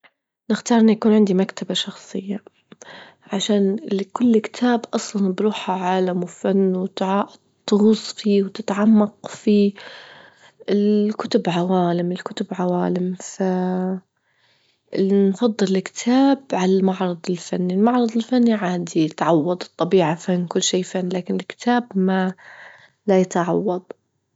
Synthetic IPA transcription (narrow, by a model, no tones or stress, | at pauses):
nɪxt̪ɑːɾˤʔɪnjakuːnʕɪnd̪imakt̪ʰabaʃɑxsˤɨjːa | ʕaʃaːnlkʊlːkt̪ʰaːbʔɑsˤlɑnbɾuːħaʕaːlamwɪfanːwt̪ʕaʔ | t̪ːɣʊsˤfiːwt̪ɪt̪ʕamːɑqfi | ɪlkʊt̪ʊbʕawaːlɪmɪlkʊt̪ʊbʕawaːlɪmfa | ɪnfɑd̪ˤːɨlɪlkɪ̥t̪ʰaːbʕalamaʕɾˤɑd̪ˤɪlfanːilmɑʕɾˤɑd̪ˤɪlfanːiʕaːd̪iɪt̪ʕɑwːɑd̪ˤɨ̥t̪ˤːɑbiːʕafanːkʊlːʃiːfanːlaːkɪnɪlkɪ̥t̪ʰaːbma | lajat̪ʕɑwːɑd̪ˤ